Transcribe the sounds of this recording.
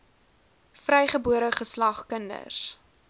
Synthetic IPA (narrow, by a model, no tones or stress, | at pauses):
frɛjχəbuəɾəχəslɐχkəndə̰s